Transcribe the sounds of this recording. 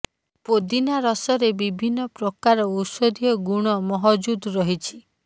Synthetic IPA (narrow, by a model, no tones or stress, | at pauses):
pod̪inaɾɔsɔɾebibʱinːɔpɾɔkaɾɔusod̪ʱijɔɡuɽ̃ɔmɔɦɔd͡ʒud̪ɾɔɦit͡ʃʰi̥